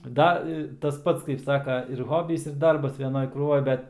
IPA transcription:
ˈdɐ ɪ tɐs ˈpɐts kɐɪp ˈsɑːkɐ ɪr ˈɣoːbʲiːs ɪr ˈdɐrbɐs ʋʲɛˈnoːj kruːˈʋoːj ˈbʲɛt

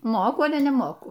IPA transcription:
ˈmoːkʊ ˈɑːlʲɛ nʲɛˈmoːkʊ

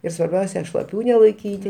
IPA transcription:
ɪr sʋɐrʲˈbʲɛʊsʲɛ ʃlˠɐˈpʲuː nʲɛlˠɐɪˈkʲiːtʲɪ

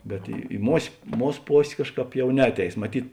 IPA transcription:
bʲɛt ɪ ɪ moːsʲ ˈmuːs ˈpoːsʲ ˈkɑːʃˌkɑːp ˈjɛʊ ˈnʲɛɐtʲˌɛɪs mɐˈtʲiːt

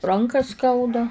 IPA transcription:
ˈrɐŋkɑː ˈskɐʊdɐ

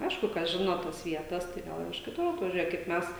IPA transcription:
ˈɐɪʃkʊ kɐs ˈʒʲɪnoː ˈtoːs ˈʋʲiɛtɐs tɐɪ ˈɡɐlˠ ɪr ɪʃ kʲɪˈtʊr ɐtʋɐˈʒʲuɔjɛ kɐɪp ˈmʲɛs

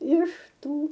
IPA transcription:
ɪʃ ˈtuː

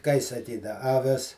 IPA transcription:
kɐɪ sɐˈkʲiːdɐ ɐˈʋʲɪs

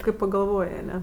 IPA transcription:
kɐɪ pɐɡɐlˠˈʋoːj ɐˈnʲɛ

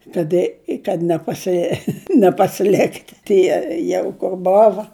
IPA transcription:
kɐt ˈɪ kɐt nʲɛpɐˈsʲɪ nʲɛpɐsʲɪˈlʲɪktʲ ˈtʲiɛ ˈjɛʊ kʊr ˈboːʋɐ

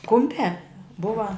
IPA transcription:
ˈkʊmʲpʲæː ˈbʊʋɐ

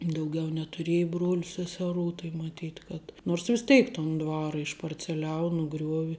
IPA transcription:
dɐʊˈɡʲɛʊ nʲɛtʊˈrʲiɛjɛ ˈbruɔlʲʊ sʲɛsʲɛˈruː tɐɪ mɐˈtʲiːtʲ kɐt noːrs ʋʲɪs ˈtʲɛɪk toːn ˈdʋɑːrɐ ɪʃpɐrʲt͡sʲɛˈlʲɛʊ nʊˈɡrʲuɔʋʲɪ

